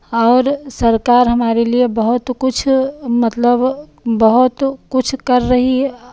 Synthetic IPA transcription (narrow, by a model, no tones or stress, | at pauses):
ɔːɾsəɾkaɾɦəmaɾeliebəɦut̪kut͡ʃʰmət̪ləbbəɦut̪kut͡ʃʰkəɾːəɦi